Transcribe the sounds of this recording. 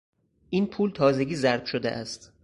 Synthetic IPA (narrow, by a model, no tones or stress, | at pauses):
ʔiːnpʰuːlt̪ʰɒːze̞ɟʲiːzæɾb̥ʃod̪eʔæst̪